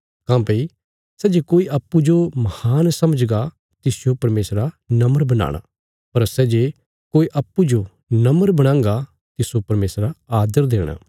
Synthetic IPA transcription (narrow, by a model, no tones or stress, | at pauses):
kãːpei | sɛːd͡ʒekoːiʔɐpːud͡ʒomɐhaːnsɐməd͡ʒɡa | t̪ɪsɪjopɐɾmeːsɾa | nɐməɾbɐna̰ːɽ̃a̰ | pɐɾsɛd͡ʒe | koːiʔɐpːud͡ʒo | nɐməɾbɐɽ̃ãːŋɡa | t̪ɪsopɐɾmeːsɾaaːd̪əɾd̪eːɽ̃ã̰ː